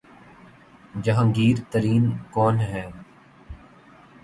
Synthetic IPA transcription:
d͡ʒəɦãːɡiːɾt̪əɾiːnkɔːnɦɛ̃ː

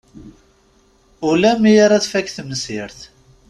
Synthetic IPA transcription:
ulæmijaɾaðfækθəməsɪɾθ

